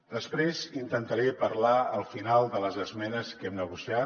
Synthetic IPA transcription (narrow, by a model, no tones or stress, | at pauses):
d̪əspɾezint̪ənt̪əɾepəɾlaəlˠfinalˠd̪ələzəzmɛnəskɛmnəɣusia